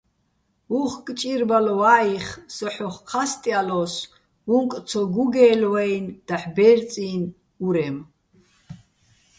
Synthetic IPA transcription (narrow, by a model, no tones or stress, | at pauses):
uχkʼt͡ʃʼiɾbalɔwaːiχsɔħɔχqʰast̪ʼialɔs | uŋkʼt͡sʰɔɡuɡɛːlwɛjnd̪̥aħbɛɾt͡sʼiːn | uɾɛm